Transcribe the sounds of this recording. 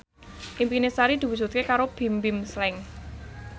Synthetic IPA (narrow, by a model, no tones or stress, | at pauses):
ʔimpinesaɾid̪̥i̤wudd͡ʒ̥ṳt̪̚kekaɾob̥i̤mbɪmslɛŋ